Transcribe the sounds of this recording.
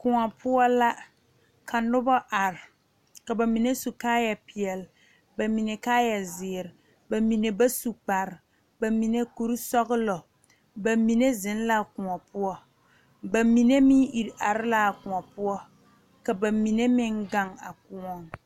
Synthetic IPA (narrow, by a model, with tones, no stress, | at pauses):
kʊ˨ŋɔ˨pʰʊ˦ɔ˦la˦ | kʰa˨nʊ˦bɔ˦ʔa˨ɾɪ˨ | ka˨ba˨mi˨ne˦su˨kaː˦ja˨pi˨ɛ˨l | ba˨mi˨ne˨kaː˦ja˨zɪː˨ɾɪ˨ | ba˨mi˨ne˨ba˦su˨k͡pa˨ɾɪ˨ | ba˨mi˨ne˦ku˨ɾi˦sɔ˦ɣʊ˦lɔ˨ | ba˨mi˨ne˦zɪ˨n˦la˦˨kʊ˨ŋɔ˨pʊ˦ɔ˦ | ba˨mi˨ne˦mi˦ʔi˨ɾa˨ɾɪ˦la˦a˨kʊ˨ŋɔ˨pʊ˦ɔ˦ | ka˨ba˨mi˨ne˦mɪ˦ŋɡa˦˨ŋa˨kʊ˨ŋɔ˨ŋ